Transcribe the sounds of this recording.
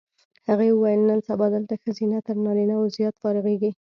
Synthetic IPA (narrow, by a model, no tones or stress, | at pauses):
haɣeəwajəlnənsabɑd̪əlt̪axəzinat̪əɾnɑɾinazjɑt̪fɑɾəɣeɡi